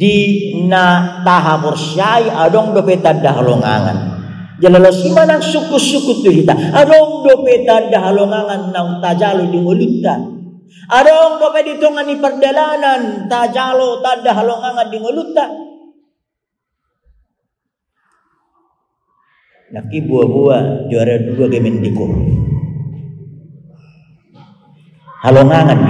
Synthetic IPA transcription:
dinat̪aɦapɔrsiaiʔadɔŋdopɛt̪adːaɦa̰lo̰ŋa̰ŋa̰n | d͡ʒalalosimanaŋsukusukut̪ːud͡ʒit̪aadɔŋdɔpɛt̪adːaɦaloŋaŋanːauŋt̪ad͡ʒalodiŋolut̪ːa | adɔŋbopedit̪ɔŋanːipərdalanant̪ad͡ʒalot̪adaɦaloŋaŋandiŋolut̪ːa | nakːibuabuad͡ʒuaɾaduaɡemɛndiɡo̰pḛ | haloŋaŋand

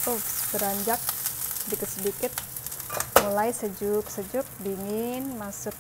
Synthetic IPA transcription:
t̪ʊsbəɾaɲd͡ʒak̚dikəsədikɪt̪̚ | mulajsəd͡ʒʊk̚səd͡ʒʊk̚biŋɪnmasʊk̚

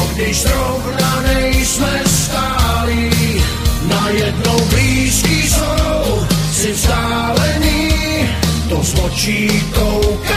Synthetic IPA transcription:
ɡdɪʒzɾɔvnanɛjsmɛst̪aːli | najɛdnowbliːskiːsɔw | sɪvzd̪aː | lɛɲi | t̪ɔslɔt͡ʃiːkowk

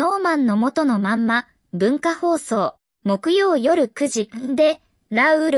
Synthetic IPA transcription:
o̞ːmãnːo̞mo̞t̪o̞no̞mãmːa | bɯ̟̃ŋkaho̞ːso̞ː | mo̞kɯ̟jo̞ːjo̞ɾɯ̟kɯ̟ʑid̪e̞ | ɾaɯɾ

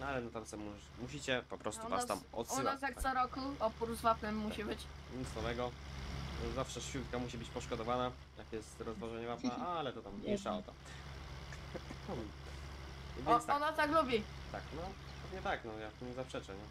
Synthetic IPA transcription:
nalɛnɔt̪amsɛmu | muɕit͡ɕɛpɔpɾɔst̪uvast̪amɔ̰t̪uasjak̪̚sɔɾɔkuɔpuɾzvatnɘmːuɕibɘt͡ɕɲisnɔvɛɡɔ | zafʂɛʂfʲut̪kamuɕibɘt͡ɕpɔʂkɔd̪ɔvana | jakjɛst̪ɾɔzvaʒɛɲɛvap̪aʔalɛt̪ɔt̪ammiʂaɔt̪ɔ | vʲjɛnsɔnat̪aklubʲit̪aknɔ | pɛvɲɛt̪aknɔjaɲɛzapʂɛt͡ʂɛɲɛ

